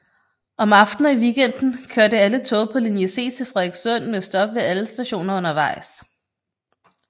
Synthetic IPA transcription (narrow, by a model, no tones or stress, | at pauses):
ɒ̽mɑ̈fd̥n̩ɒiʋiɡ̥en̰d̥n̩kʰøɐɾəælət͡sʰɔ̽ʊpʰɒ̽linjese̝̰ːt͡sʰe̝fʁɛðˠɡ̥sɔn̰mesd̥ɒ̽b̥ʋe̝æləsd̥æɕo̝̰ːnɐɔ̽nɐʋɑ̈ɪ̰s